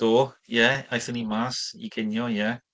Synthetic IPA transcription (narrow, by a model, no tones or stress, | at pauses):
d̥oːjɛajθənimasḭɡ̥ɪnjɔjɛ